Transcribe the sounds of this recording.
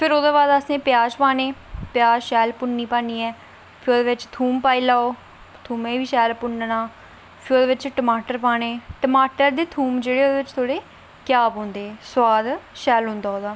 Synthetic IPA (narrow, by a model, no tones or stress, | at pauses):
pʰɪɾoːd̪aːbaːd̪əsnẽːpɪjaːd͡ʒpaːneːpɪjaːd͡ʒʃɛːlpʊɳːiːpãːniːɛː | pʰɪɾoːd̪eːʋɪt͡ʃt̪ʰuːmpaːiːlaːoː | t̪ʰuːmẽːʋiːʃɛːlpʊnnaː | pʰɪɾoːd̪eːʋɪt͡ʃʈəmaːʈəɾpaːneːʈəmaːʈəɾd̪eːt̪ʰuːmd͡ʒeːɽeːoːd̪eːʋɪt͡ʃt̪ʰoːɽeː | kɪjaːpɦõːnd̪eːswaːd̪ʃɛːlɦõnd̪aːɦoːd̪aː